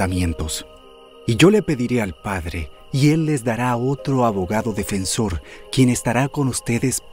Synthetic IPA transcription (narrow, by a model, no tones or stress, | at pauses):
amje̞nt̪o̞s | iʝo̞le̞pe̞ðiɾe̞alpaðɾe | ie̞lːe̞zd̪aɾao̞t̪ɾo̞aβo̞ɣaðo̞ðe̞fe̞nso̞ɾkje̞ne̞st̪aɾako̞nust̪e̞ðes